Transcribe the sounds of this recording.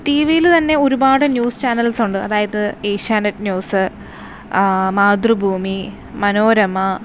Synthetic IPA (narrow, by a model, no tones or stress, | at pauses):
ʈiːʋijilt̪ɐnːe̞o̞ɾubaːɽɨnjuːst͡ɕaːnɐlsuɳɖɨɐðaːjɐðɨeːɕaːnɐtːnjuːsɨ | maːd̪rɨbʱuːmi | mɐno̞ːɾɐmːɐ